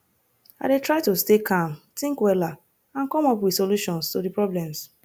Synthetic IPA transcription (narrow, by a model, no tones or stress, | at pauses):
a̰ɪdetɹaɪtostekʰãmtɪ̃ŋkwɛla | ãnkɔmɔpwɪdsoluʃɔ̃nstodipɹɔblɛ̃ms